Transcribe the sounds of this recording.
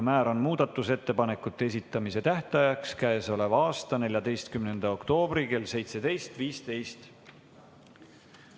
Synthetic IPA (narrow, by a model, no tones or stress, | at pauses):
mæːɾo̞nmuːd̪̥ɑt̪ːˑuse̞t̪ːe̞pɑne̞kːˑut̪ːee̞sit̪ːˑɑmise̞t̪æht̪ɑjɑkskæeso̞le̞vɑɑːst̪ɑne̞lʲjɑd̪e̞jst̪̚kymne̞nd̪̥ɑo̞kt̪o̞ːb̥ɾike̞lse̞jt̪se̞d̪̥e̞jst̪viːst̪e̞jst̪